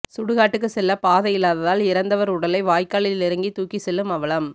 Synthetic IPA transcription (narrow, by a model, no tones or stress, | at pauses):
sʊɽɯɣaːʈːɯk̬ːɯsɛlːɐpaːðɐjɪlːaːðɐðaːlɪɾɐnd̪ɐʋɐɾʊɽɐlɐɪʋaːjkːaːɭɪllɪɾɐŋɡit̪uːkːisɛlːɯmɐʋɐɭɐm